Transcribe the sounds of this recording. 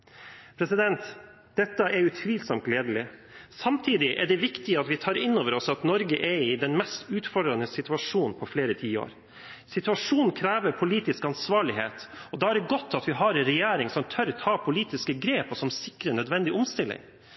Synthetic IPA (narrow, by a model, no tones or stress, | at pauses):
pʰɾɛsɪd̪ɛnt̪ | d̪ɛt̪ːəʔɛɾjʊt̪ʰʋiːlsɔmt̪leːd̪əlɪsɑmt̪ʰiːd̪ɪʔɛɖɛʋɪkt̪ɪɑt̪ʋɪt̪ʰɑːɾɪnːoːʋəɾɔsɑt̪nɔɾɡəʔɛɪd̪ɛnmɛst̪ʉːt̪fɔɖɾɑnəsɪt̪ʉɑʂuːnn̩pʰɔfleːɾət̪ʰiːo̰ːɾ | sɪt̪ʉɑʂuːnn̩kʰɾæːʋəɾpʰʊliːt̪ɪskɑnsʋɑːɭɪɦḛːt̪ɔd̪ɑːæɖɛɡɔt̪ːɑt̪ʋɪɦɑɾɛnɾɛjæːɾɪŋsɔmt̪ʰœɾt̪ʰɑːpʰʊliːt̪ɪskəɡɾeːpɔsɔmsɪkːɾənœd̪ʋɛnd̪ɪʔʊmst̪ɪlːɪ̰ŋ